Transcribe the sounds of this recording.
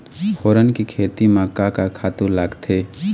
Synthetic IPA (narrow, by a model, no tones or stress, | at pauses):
fʰoːɾənkikʰeːt̪imãkakakʰaːt̪ũlaːɡt̪ʰeː